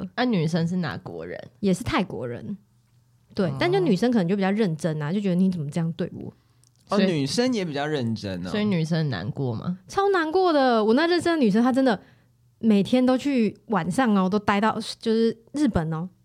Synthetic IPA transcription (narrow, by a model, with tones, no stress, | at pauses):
ə˥ny˨˩ʂə˦nʂ̬̩˥˩na̰˨˧˥kwɔ̰˧˥ɻə̰˧˦njɛ˨˩ʂɻ̩˥˧t̪ʰa˥˩ɪkwɔ̰˧˥ɻə̰˧˦n | t̪we˥˩ɪt̪t͡ɕʊny˨˩ʂə̃˥ŋkʰə˨˩˧ŋt͡ɕo˥˩i˨˩t͡ɕɻə˥˩nʈ͡ʂə˥n˨˧˨t͡ɕo˥˩ʊt͡ɕɛ˧˥˧t͡sə˨˩mə˦ʈ͡ʂɤ˥˧jɑ˥˧ŋ˩t̪we˥˧ɪṵ˥˩ | ɔ˥˦˥ny˨˩ʂə˦njɛ˧˥pi˨˩t͡ɕɑ˥˧ʊɻə˥˨˩nʈ͡ʂə̰˦nswɔ˥i˧˥˦ny˨˩ʂə˦˨na̰˧˦nkwɔ̰˥˩mɐ̰˩t͡sʰɑ˥ʊna˧˥nkwɔ˥˩d̪ə˨wɔ˨˩n˥˧ɻə˥˩nʂə˥nd̪ə˨˩y˨˩ə˥nt̪ʰa˥ʈ͡ʂə˥nd̪ə˨˩ | me˨˩ɪt̪ʰjɛ˥nt̪o˥ʊt͡ɕʰy˥˩wa˨˩nʂɑ˥˩ŋ˨˦t̪o˥ʊt̪a˥ɪt̪ɑ˥˩ʊt͡ɕjo˥˧ʊʂɻ̩˥˩ | ɻɻ̩˥˩pə˨˩nə˩